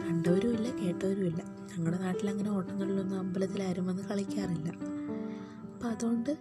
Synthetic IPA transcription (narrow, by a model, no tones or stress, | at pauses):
ɐɳɖoɐɾumilːɐke̞ːʈːoːɾumilːɐ | ɲɐŋːɐɽe̞naːʈːilɐŋːɐne̞o̞ːʈːuŋːɐɭiɭonːuɐmbɐlɐt̪ːilaːɾume̞nːɨkɐɭikʲːaːrilːɐ | ɐpːoɐðuɣo̞ɳɖɨ